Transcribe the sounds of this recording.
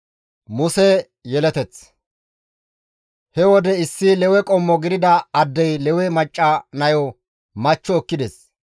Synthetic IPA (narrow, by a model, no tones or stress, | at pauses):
mʊsɛ | jɛlɛt̪ɛt͡s | hɛwɔd̪ɛɪsːɪlɛwɛkʼɔmːɔɡɪd̪ɪd̪ɐɐd̪ːɛjlɛwɛmɐt͡ʃʼːɐnɐjɔ | mɐt͡ʃːɔːkːɪd̪ɛs